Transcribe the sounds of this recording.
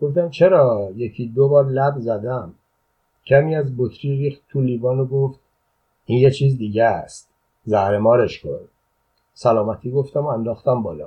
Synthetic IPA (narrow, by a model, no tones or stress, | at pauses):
ɡ̥o̞ft̪æmt͡ʃʰe̞ɾɒːjecʰiːd̪obɒːɾlæbzæd̪æm | cʰæmiːæzbot̪ʰɾiːɾiːxt̪ːʰuliːbɒːnoɡoft̪̚ | iːnjet͡ʃʰiːzd̪iːɟæst̪̚ | zæhɾe̞mɒːɾeʃkʰo̰ɾd̪̚ | sælɒːmæt̪ʰiːɡo̞ft̪æmoænd̪ɒːxt̪æmbɒːlɒ̰